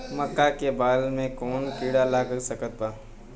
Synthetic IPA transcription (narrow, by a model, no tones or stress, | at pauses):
mɐkːakebaːlmẽkɔːnpiːɽalaːkəɾsɐkət̪̚baː